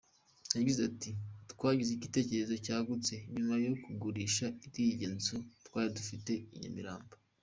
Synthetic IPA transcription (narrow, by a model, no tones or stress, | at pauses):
jaɟizatitkwaːɟiziɟite̞ːce̞ɾe̞zo̞caːɡut͡se̞ɲumajo̞kuɡuɾiːʃaitiɟenzutwaːɾidufite̞iɲo̰mḭɾa̰ːmbo